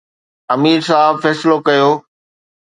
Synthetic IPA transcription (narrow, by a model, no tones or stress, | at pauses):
ɐmiːɾsaːɦbfɛːsɪlokɐjoː